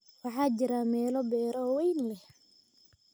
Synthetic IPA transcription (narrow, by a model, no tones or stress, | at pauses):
wɑħɑːt͡ʃɪɾamɛːlɔbɛːɾɔwɛjnlɛh